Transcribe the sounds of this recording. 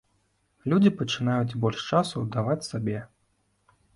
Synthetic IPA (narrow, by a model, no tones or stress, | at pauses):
lʲud͡zʲipɐt͡ʂɨnajud͡zʲbɔlʲʂt͡ʂasud̪avat͡sʲsabʲɛ